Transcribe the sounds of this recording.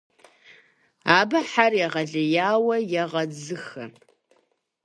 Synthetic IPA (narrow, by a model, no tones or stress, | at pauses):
aːbɐħarjaʁɐɮɐjaːwɐjaʁɐd͡zɨxɐ